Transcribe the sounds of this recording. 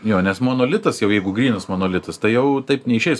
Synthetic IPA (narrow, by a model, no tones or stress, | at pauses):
joːnʲɛsmoːnoːlʲɪt̪ɐsjɛʊjɛɪɡʊɡrʲiːnɐsmoːnoːlʲɪt̪ɐst̪ɐɪjɛʊt̪ɐɪpnʲɛɪʃʲɛɪs